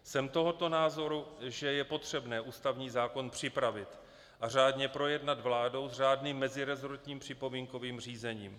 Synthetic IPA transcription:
sɛmt̪o̞ɦo̞t̪o̞naːzo̞ɾuʒɛjɛpo̞t̪r̝̥ɛbnɛːʔuːst̪avɲiːzaːko̞npr̝̥ɪpɾavɪt̪ | ʔar̝aːdɲɛpɾo̞jɛdnat̪vlaːdo̞wzr̝aːdniːmːɛzɪɾɛzoɾt̪ɲiːmpr̝̥ɪpo̞miːŋko̞viːmr̝iːzɛɲiːm

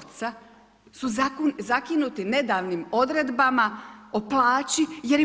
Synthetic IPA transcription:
t̪sa | suzakinut̪ine̞d̪aːʋnimo̞d̪ɾe̞d̪bamaoplaːt͡ɕije̞ɾi

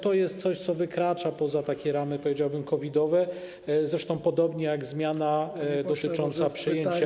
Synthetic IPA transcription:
t̪ɔjɛst̪t̪sɔɕt̪sɔvɘkɾat͡ʂapɔzat̪akʲɛɾamɘpɔvʲjed͡ʑawbɘmkɔvʲid̪ɔvɛ | zɾɛʂt̪ɔ̃w̃pɔd̪ɔbɲɛjaɡzmʲjanad̪ɔt̪ɘt͡ʂɔnt̪sapʂɘjjɲeɲt͡ɕa

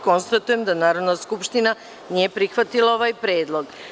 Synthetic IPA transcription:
ko̞nst̪at̪uje̞md̪anaːɾo̞d̪naskupʃt̪ina | nije̞pɾixʋat̪ilao̞ʋaːjpɾeːd̪lˠo̞ɡ

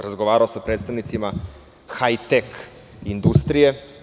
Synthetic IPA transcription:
ɾazɡo̞ʋaːɾaosapɾe̞ːt̪st̪aʋnit̪sima | xajt̪ek | ind̪ust̪ɾije̞

